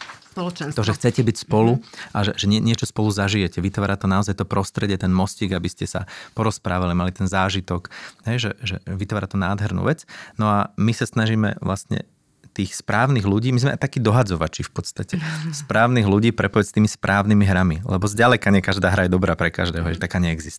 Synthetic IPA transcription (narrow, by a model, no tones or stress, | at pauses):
pɔlɔʒɛxt͡sɛcɛbicspɔluʔaʒɛʒɛɲɪɛɲɪɛt͡ʃɔspɔluzaʒijɛcɛʋit̪ʋaːɾat̪ɔnaɔzajt̪ɔpɾɔst̪ɾɛɟɛt̪ɛnmɔsciːɡabiscɛsa̰pɔɾɔspɾaːʋalimalit̪ɛnzaːʒit̪ɔkɦɛjʒɛʒɛ̰ʋit̪ʋaːɾat̪ɔnaːd̪ɦɛɾnṵːʋɛt͡snɔamisasnaʒiːmɛ̰ʋlʔa̰st̪ɲɛ̰ | t̪iːxspɾaːʊniːɣluɟiːmizmɛa̰jt̪akiːd̪ɔɦad͡zɔʋat͡ʃifpɔt̪st̪acɛspɾaːʊniɣluɟiːpɾɛpɔjɛst̪iːmispɾʔaːʊnimiɦɾamilɛ̰bɔzɟalɛkaɲɛkaʒd̪aːɦɾajɛd̪ɔbɾaːpɾɛka̰ʒd̪ɛːɦɔɦɛɪɛt̪akaːɲɛɛɡzist̪